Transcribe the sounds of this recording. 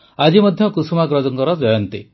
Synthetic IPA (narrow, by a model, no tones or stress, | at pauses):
ad͡ʒimɔd̪ʱjɔkusumaɡɾɔd͡ʒɔŋkɔɾɔd͡ʒɔjɔnt̪i